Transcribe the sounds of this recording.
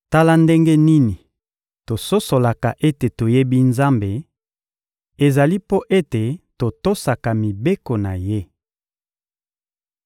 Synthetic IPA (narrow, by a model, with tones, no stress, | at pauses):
ta˦la˦nde˦ŋɡe˦ni˦ni˨ | to˨so˦so˨la˨ka˨ʔe˦te˨to˨je˦bi˦nza˦mbe˨ | e˨za˨li˦po˦ʔe˦te˨to˨to˦sa˨ka˨mi˨be˦ko˨na˨je˦